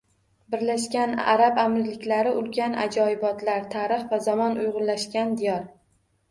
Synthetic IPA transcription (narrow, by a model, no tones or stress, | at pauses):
bɪɾlaʃkʲana̰ɾabamɾɪlɪkʲlaɾɪʔʊlkʲʰana̰d͡ʒɒɪbɒt̪ʰlaɾt̪ʰaɾɪχvazamɒnʊjʁʊnlaʃkʲand̪ɪjɒɾ